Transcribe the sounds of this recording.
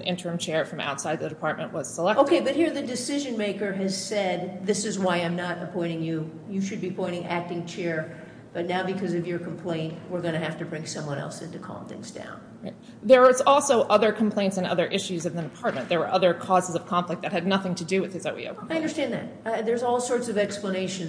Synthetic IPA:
nʔɪ̰̃ntʰə˞ɨ̃mt͡ʃʰɛɹfɹʌ̃ma̰ʊtsaɪd̪̚ðɨɾɨpʰɑɹt̚mɨ̃nʔwʌz̥səlɛʔoʊkʰeɪbʌt̚hiɹðɨdɨsɪʒɨ̃nmeɪkə˞ɨz̥sɛd̪̚ðɪsɨzwaɪãɪ̃mnəɾɨ̰pʰɔ̃ɪ̃ɾ̃ɪ̃ŋjʉ | jɨʃɨd̚bipʰɔ̃ɪ̃ɾ̃ɪ̃ŋæk̚tɪ̃ŋt͡ʃʰɛɹ | b̥ʌtⁿnaʊbɨkʰʌzʌvjə˞kʰm̩pʰl̥ẽɪ̃nʔwɪɹɡʌñɨɦæftɨbɹɪ̃ŋsʌ̃mwʌ̃ñɛ̰lˠsɪ̃ntʉkʰɑ̰mθɪ̰̃nsd̥ã̰ʊ̃nɹaɪt | ðə˞ʌzɔlˠsoʊʔʌðə˞kʰm̩pʰl̥ẽɪ̃ntsɨ̃nʌ̰ðə˞ʔɪʃʉzʌvðɨdɨpʰɑɹt̚mɨ̃nðə˞wə˞ʔʌðə˞kʰɔzəzʌv̥kʰɑ̃ɱflɨk̪̚ðɨt̚hɨdⁿnʌθɪ̃ŋtʰɨdɨwɨð̥hɨzoʊwḭo̰ʊaɪʌ̃ndə˞stæ̃nðɨ̰t̚ðə˞zɔlˠsɔɹtsʌvɛkspləneɪʃɨ̃n

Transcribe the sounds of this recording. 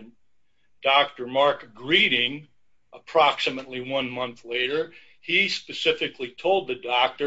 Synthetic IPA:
n | d̥ɑk̚tə˞mɑɹkɡɹiɾɪ̃ŋ | ʔəpʰɹ̥ɑksɨmətˡliwʌ̃nmʌ̃nθleɪɾə˞ | ispɨsɪfɨkʰlitʰoʊlˠd̪̚ðɨdɑk̚tə

